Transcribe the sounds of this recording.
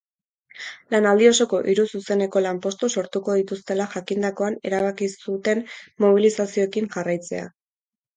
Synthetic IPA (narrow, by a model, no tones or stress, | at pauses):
lanald̪io̞so̞ko̞ʔiɾususe̞ne̞ko̞lampo̞st̪uso̞ɾt̪uko̞ðit̪ust̪e̞laʝakind̪ako̞ane̞̰ɾaβ̞akisut̪e̞nmo̞β̞ilisasio̞ekinʝarajt͡se̞̰a̰